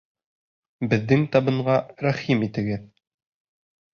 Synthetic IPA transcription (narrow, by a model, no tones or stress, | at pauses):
bɘ̆ðːɘŋt̪ɑβɤ̆ɴɢɑɾæχimit̪ɘ̆ɡɘð